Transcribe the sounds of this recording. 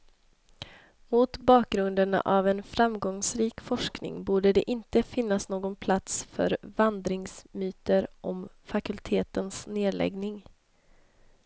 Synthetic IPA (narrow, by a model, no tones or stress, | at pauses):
mʊt̪bɑːk̚ɡɾɵnd̪əɳa̰ʔavɛnfɾamːɡɔŋsɾiːkfɔʂknɪ̰ŋbuːɖəd̪ɛʔɪnt̪əfɪnːasnoːɡɔnpʰlat̪sfœ̰ɾvand̪ɾɪŋsmyːt̪əɾʔɔm | fakɵlt̪ʰeːt̪ənsneːlɛ̰ɡnɪŋ